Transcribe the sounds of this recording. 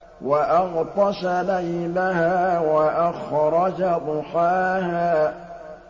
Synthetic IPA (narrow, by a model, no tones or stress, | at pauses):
waʔɑɣt̪ˤɑʃalajlahaːwaʔaxɾˤɑd͡ʒad̪ʊxaːhaː